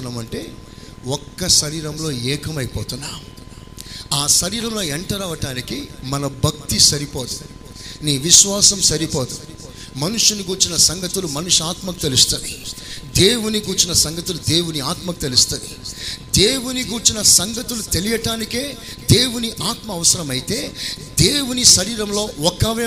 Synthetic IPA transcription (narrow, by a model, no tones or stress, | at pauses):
naːmɐɳʈe̞ːɔkːɐʃɐɾiːɾɐmlo̞ːɛːkɐmɐjpoːt̪unːaː | aːʃɐɾiːɾɐmlo̞ːeɳʈɐɾaːʋɐʈaːnikimɐnɐbʱɐk̚t̪isɐɾipoːt̪u | niːʋiʃʋaːsɐmsɐɾipoːt̪u | mɐnuʂuniɡuːɾt͡ʃinɐsɐŋɡɐt̪ulumɐnuʂuaːt̪mɐku̥t̪e̞lust̪uːd̪id̪e̞ːwuniɡuːɾt͡ʃinɐsɐŋɡɐt̪ulud̪e̞ːwuniaːt̪mɐku̥t̪e̞lust̪uːd̪id̪e̞ːwuniɡuːt͡ʃinɐsɐŋɡɐt̪ulut̪e̞lijɐʈaːnike̞ː | d̪e̞ːwuniʔaːt̪mɐːʋɐsɐɾɐmɐjit̪e̞ːd̪eːwuniʃɐɾiːɾɐmlo̞ːɔkːaʋe